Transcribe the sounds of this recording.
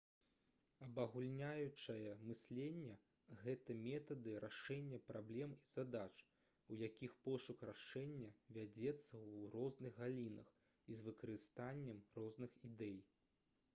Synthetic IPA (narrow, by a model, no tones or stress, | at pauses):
ɐbɐɣulʲnʲajut͡ʂɐjɐmɨsʲlʲɛnʲːɐ | ɣɛt̪ɐmʲɛt̪ɐd̪ɨɾʔaʂɛnʲːɐpɾablʲɛmiz̥ad̪at͡ʂ | wjakʲixpɔʂukraʂɛnʲːɐvʲad͡zʲɛt̪sːɐwrɔznɨɣɣalʲinɐx | izvɨkɐɾɨst̪anʲːɐmrɔznɨxid̪ɛj